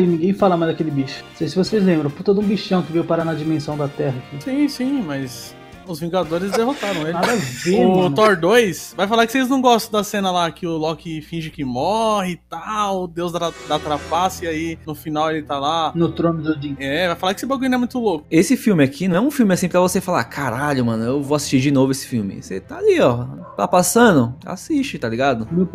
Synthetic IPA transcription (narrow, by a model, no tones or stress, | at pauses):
lɪnĩŋɡẽj̃falamajzd̪akelɪbiʃʊ̥̃sejsɪvosejzlẽbɾɐ̃w̃puɾt̪ɐd̪ʊũbiʃɐ̃w̃kɪvejʊpaɾanad͡ʒimẽsɐ̃w̃d̪ɐt̪ɛɦɐksĩsĩmɐjs | ʊzvĩɡad̪oɾɪzd̪eɦot̪aɾɐ̃w̃elnaɪd̪ɐvẽʊt̪ɔɾd̪ojsvajfalaɾkɪ̥sejznɐ̃w̃ɡɔst̪ɐ̃d̪ɐsẽnɐlakɪʊlɔkɪfĩʒɪkɪmɔhɪt̪awʊd̪ewzd̪ad̪at̪ɾapasɪainʊfinawelɪt̪alanʊt̪ɾõmɪd̪ʊd͡ʒiɛɛvajfalakɪe̥sɪbaɡũɲ̃ʊɛmũj̃t̪ʊlokʊ̥esɪfiwmɪakʰinɐ̃ɛũfiwmɪasĩpɾɐvosefala̰ɾkʰaɾaʎʊmɐ̃nʊewvoasi̥ʃt͡ʃiɾd͡ʒɪnovʊesɪ̥fiwmɪ̰set̪aːliɔt̪a̰pasɐ̃nʊa̰sist͡ʃɪt̪aliɡad̪ʊmew